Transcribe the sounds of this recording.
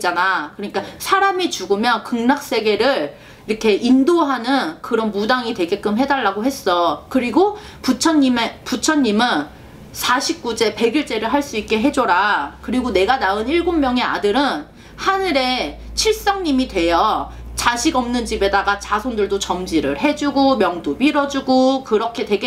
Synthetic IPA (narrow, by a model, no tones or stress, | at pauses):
d͡ʑanakɯɾʌɲik͈asʰaɾamit͡ɕuɡɯmjʌnkɯŋnak̚s͈e̞ɡe̞ɾɯɭ | iɾʌkʰe̞indoɦanɯnkɯɾʌnmudaŋitwe̞ɡe̞k͈ɯmɦe̞daɭːaɡoɦe̞s͈ʌkɯɾiɡo | put͡ɕʰʌnimeput͡ɕʰʌnːimɯn | sʰaɕʰip̚k͈ud͡ʑe̞pe̞ɡiɭt͡ɕ͈e̞ɾɯɭɦaɭs͈uik̚k͈e̞ɦe̞d͡ʑoɾakɯɾiɡone̞ɡanaɯniɭɡommjʌŋe̞a̰dɯɾɯn | hanɯɾe̞ | t͡ɕʰiɭs͈aŋɲimidwe̞jʌ | t͡ɕaɕʰiɡʌmnɯnd͡ʑibe̞daɡat͡ɕasʰondɯɭdot͡ɕʌmd͡ʑiɾɯɭɦe̞d͡ʑuɡomjʌŋdopiɾʌd͡ʑuɡokɯɾʌkʰe̞twe̞ɡe